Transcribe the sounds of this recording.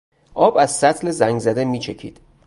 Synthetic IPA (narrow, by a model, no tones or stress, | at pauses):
ʔɒːbæz̥sæt̪ʰlezæŋɡzæd̪emiːt͡ʃʰecʰḭːd̪̥